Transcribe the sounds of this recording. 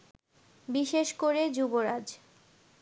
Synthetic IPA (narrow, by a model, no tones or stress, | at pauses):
biʃeʃkoɾed͡ʑuboɾad͡ʑ